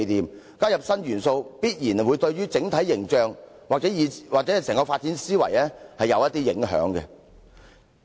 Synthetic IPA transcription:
t̪iː˨m | kaː˥jɐ˨p̚sɐ˥nɥyː˨˩nso˧wpiː˥t̚jiː˨˩nwu˨˧jt̪ɵ˧ɥɥyː˥t͡sɪ˨˥ŋt̪ʰɐ˨˥jːɪ˨˩ŋt͡ʃœː˨˧ŋ | waː˨t͡sɛ˨˦˥jiː˨˧waː˨k̚t͡sɛ˨˦˥sɛː˨˩ŋkɔ˧faː˧t̚t͡siː˨˥nsiː˥wɐ̰˨˩jlɛː˥hɐ˨jɐ˨˧wjɐ˥t̪̚iː˥jɪ˨˧˥ŋɦœ̰ː˨˥ŋkɛ̰˧

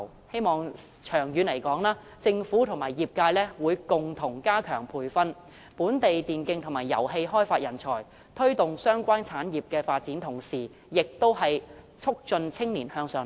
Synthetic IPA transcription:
he˥jmɔː˨ŋ | t͡ʃʰœː˨˩ŋjyː˨˧nle˨˩jkɔː˨˥ŋlaː˥ | t͡sɪ˧ŋfuː˨˥t̪ʰʊ˨˩ŋmaː˨˩jjiː˨˩p̚kaː˧jlɛː˥wuː˨˧jkʊ˨˩ŋt̪ʰʊ˨˩ŋkaː˥kʰœː˨˩ŋpʰuː˧jfɐ˥n | puː˨˥nt̪e˨jt̪iː˨nkɪ˧ŋt̪ʰʊ˨˩ŋmaː˨˩jɐ˨˩wɦe˧jɦɔː˥jfaː˧t̚jɐ˨˩nt͡sʰɔ̰ː˨˩j | t̪ʰɵ˥ɥt̪ʊ˨ŋsœː˥ŋkʷaː˥nt͡sʰaː˨˥njiː˨p̚kɛː˧faː˧t̚t͡siː˨˥nt̪ʰʊ˨˩ŋsiː˨˩ | jɪ˨k̚t̪o˥whɐ˨j | t͡sʰʊ˥k̚t͡sɵ˧nt͡sʰɪ˥ŋniː˨˩nhœː˧ŋsœː˧

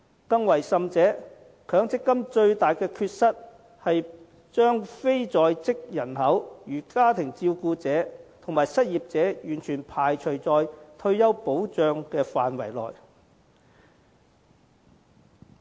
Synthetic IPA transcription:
kɐ˧ŋwɐ˨˩jsɐ˨mt͡sɛː˨˥ | kʰœː˨˥ŋt͡sɪ˥kːɐ˥mt͡ʃɵ˧ɥt̪aː˨jkɛː˧kʰyː˧t̚sɐ˥t̚ | hɐ˨j | t͡ʃœː˥ŋfe˥jt͡sɔː˨jt͡sɪ˥k̚jɐ˨˩nhɐ˨˥wjyː˨˩kaː˥t̪ʰɪ˨˩ŋt͡siː˧wkuː˧t͡sɛː˨˥t̪ʰʊ˨˩ŋmaː˨jsɐ˥t̚jiː˨p̚t͡sɛː˨˧˥jyː˨˩nt͡ʃʰyː˨˩npʰaː˨˩jt͡ʃʰɵ˨˩ɥt͡sɔː˨jt̪ʰɵ˧ɥjɐ˥wpo˨˥wt͡ʃœː˨˧ŋkɛː˧faː˨nwɐ̰˨˩jlɔ̰ː˨j

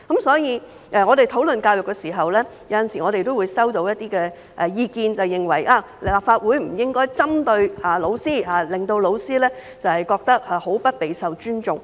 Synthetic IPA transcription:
kɐ˨˥msɔː˨˥jiː˨˧ | ʔɛ˧ŋɔː˨˧ɾe˨jt̪ʰo˨˥wlɵ˨nkaː˧wjʊ˨kːɛ˧siː˨˩ɦɐ˨wlɛː˥jɐ˨˥wjɐ˨nsiː˨˩ŋɔː˨˧ɾe˨jt̪o˥wuː˨˧jsɐ˥wt̪o˧wjɐ˥t̚t̪iː˥kɛː˧ | ʔɛ˨˧jiː˧kiː˧nt͡sɐ˨wjɪ˨˩ŋwɐ˨˩jʔaː˧˩ | laː˨p̚faː˧t̚wuː˨˥jm̩˨˩jɪ˥ŋkɔː˥jt͡sɐ˥mt̪ɵ˧ɥaː˨˩lo˨˧wsiː˥haː˨˧lɪ˨ŋt̪o˧wlo˨˧wsiː˥lɛː˥ | t͡sɐ˨whɐ˨jkɔː˧k̚t̪ɐ˥k̚aː˨˩ho˨˥wpɐ˥t̚pe˨˧jsɐ˨wt͡ʃyː˥nt͡ʃʊ˨ŋ

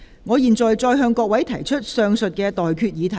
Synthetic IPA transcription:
ŋɔː˨˧jiː˨˩nt͡sɔː˨jt͡sɔː˧jɦœː˧ŋkɔː˧k̚wɐ˨˥jt̪ʰɐ˨˩jt͡ʃʰɵ˥t̚sœː˧ŋsɵ˨t̚kɛː˧t̪ɔː˨jkʰyː˧t̚jiː˨˧t̪ʰɐ˨˩

